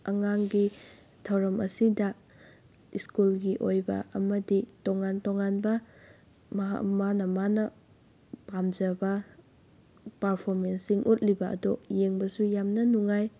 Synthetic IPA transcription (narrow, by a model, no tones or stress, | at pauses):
ɐŋaŋɡi | tʰawɾɐmʔɐ̰sidɐ | iskulɡiʔojbɐ̰ʔɐmɐditoŋantoŋanbɐ | mɐɦa̰manɐmanɐ | pamd͡ʒɐbɐ | pɐɾpʰoɾmensiŋʔot̚libɐɐ̰dojeŋbɐsujamnɐnuŋaj